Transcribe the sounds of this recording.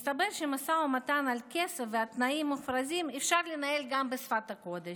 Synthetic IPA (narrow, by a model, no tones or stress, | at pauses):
st̪abeɾʃemasaumat̪analkesefveat̪naimːufɾazimefʃaɾlenaelɡambesfat̪ako̞d̪eʃ